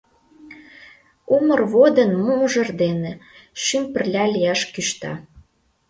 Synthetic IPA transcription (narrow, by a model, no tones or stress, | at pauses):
umərβod̪ə̆nmumʒə̆rd̪eneʃympə̆rlʲɑlʲijɑʃkyʃt̪ɑ̰